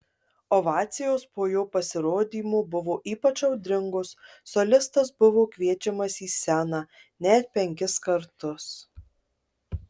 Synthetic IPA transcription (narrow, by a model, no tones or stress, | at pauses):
ɔʋɑːt̪sʲɪjoːspoːjoːpɐsʲɪɾoːd̪ʲiːmoːbʊʋoːʔiːpɐt͡ʃɐʊd̪ʲɾʲɪŋɡʊsːɔlʲɪst̪ɐsbʊʋoːkʋʲiɛt͡ʃʲɛmɐsiːsʲænɑː | nʲɛt̪̚pʲɛŋʲkʲɪskɐɾt̪ʊs